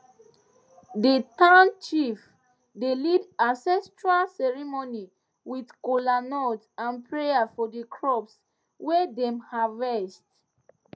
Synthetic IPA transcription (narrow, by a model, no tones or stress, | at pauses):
dətãʊ̃nt͡ʃif | delidãsɛstɹalsɛɹimoni | widkolanɔtãnpʰɹejafɔdəkʰɹɔps | wɛdɛ̃mhaɹɛst